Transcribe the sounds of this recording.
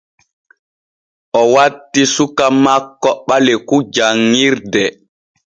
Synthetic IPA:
ʔɔwatːisukamakːɔɓalɛkud͡ʒaŋːiɾdɛ

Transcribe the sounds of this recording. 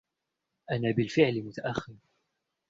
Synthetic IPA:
ʔanaːbɪlfɪʕlɪmʊt̪aʔaxːɪɾ

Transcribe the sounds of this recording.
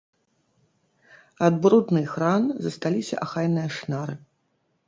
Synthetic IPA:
ad̪̚bɾud̪nɨxɾanzɐst̪alʲisʲɐ̰ʔaxajnɨjɐʂnaɾɨ

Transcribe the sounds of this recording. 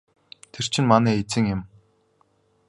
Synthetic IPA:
t̪ʰer̥t͡ɕʰɪ̆nmanæːet͡sɘ̆ŋʊm

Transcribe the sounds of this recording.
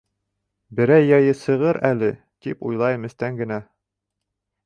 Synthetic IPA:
bɘ̆ɾæjːɑjɤsɤ̆ʁɤɾælɘ | t̪ipṵjlˠɑjɤ̆mɘ̆st̪æŋɡɘ̆næ

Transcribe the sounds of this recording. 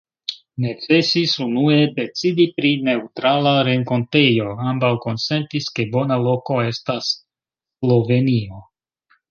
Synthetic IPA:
ne̞t͡se̞sisunue̞de̞t͡sidipɾine̞utɾalaɾe̞ŋko̞nte̞jo̞ambawko̞nse̞ntiske̞bo̞nalo̞ko̞e̞stasː | lo̞ve̞nio̞

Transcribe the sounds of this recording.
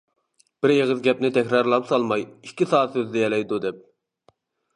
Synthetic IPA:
b̥ɪɾjeʁəzɡʲɛpnɪt̪ʰɛkʲɾɑɾlˠɑpsɑlˠmɑjiisɑːt̪søzd̪ɛjɛlɛjd̪ud̪ɛp̚

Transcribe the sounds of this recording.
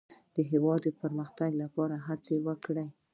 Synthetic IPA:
d̪̥əɦɪwɑd̪əpəɾməxt̪aɡlapɑɾaɦat͡sewəkɽəj

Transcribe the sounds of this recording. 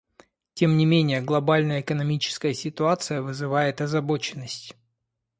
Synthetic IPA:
tʲe̞mnʲɪmʲenʲɪjəɡlˠɐbalʲnəjəɪkənɐmʲit͡ɕɪ̥skəjəsʲɪt̪ʊat̪sɨjəvɨzɨvajɪt̪ɐzɐbo̞t͡ɕɪnːəsʲtʲ

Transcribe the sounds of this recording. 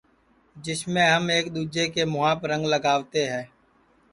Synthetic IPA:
d͡ʒɪsmẽːɦəmeːkɗ̪uːd͡ʒeːkeːmʊɦaːpɾə̃ŋɡləɡaːʋt̪eːɦɛ̃ː

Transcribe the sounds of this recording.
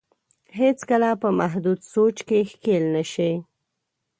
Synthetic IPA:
ɦet͡skəlapəmaɦd̪ud̪sot͡ʃkexkelnaʃi

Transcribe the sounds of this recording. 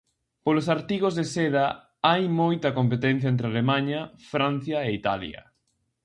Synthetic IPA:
polosaɾt̪iɣozðesɛðɐ | ajmojt̪ɐkompet̪ɛn̟θjɐɛnt̪̬ɾealemaɲɐfɾan̟θjɐeit̪a̰ljɐ̰

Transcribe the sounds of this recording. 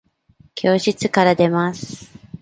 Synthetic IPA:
kʲʰo̞ːɕit͡sɨkaɾad̪e̞masɨ̥

